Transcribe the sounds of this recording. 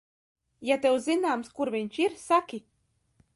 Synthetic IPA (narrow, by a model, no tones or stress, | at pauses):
jat̪ɛwzinaːmskuɾvʲiɲʲt͡ʃiɾsakʲi